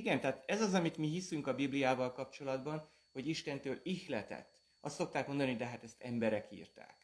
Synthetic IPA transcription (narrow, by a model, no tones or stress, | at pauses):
iɡɛnt̪ɛaːt̪ɛzɒzɒmit̪miɦisyŋkɒbiblijaːvɒlkɒpt͡ʃo̞lɒd̪bɒn | ho̞ɟiʃt̪ɛnt̪øːlixlɛt̪ɛ̰t̪ː | ɒ̰st̪so̞k̚t̪aːkmo̞nd̪ɒnid̪ɛɦat̪ɛst̪ɛmbɛɾɛkḭːrt̪a̰ːk